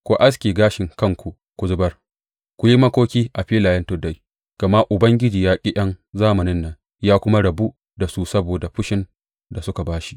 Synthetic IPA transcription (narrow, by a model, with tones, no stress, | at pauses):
kʷu˨ʔa˦s̬kʲiː˨ɡaː˦ʃɪ˨ŋkɐ˦ŋkʷu˨ | kʷʊ˨zʊ˦bɐ˦r | kʷʊ˨ji˦mɐ˦kʷoː˦kʲiː˦ʔa˨ɸiː˦laː˨jɐ˦ntʊ˦da˦j | ɡ̥ɐ˨ma˦ʔʊ˨bɐ˦ŋɡʲɪ˦d͡ʒiː˨jaː˦kʲʼɪ˦ʔɐ˦nzaː˦mɐ˨nɪ˦nːɐ˨n | jaː˦kʷʊ˦ma˦ɽɐ˨bu˦ | da˨su˦sɐ˦boː˨da˨ɸʊ˦ʃɪ˦n | da˨sʊ˦ka˨baː˦ʃi̥˦ʔ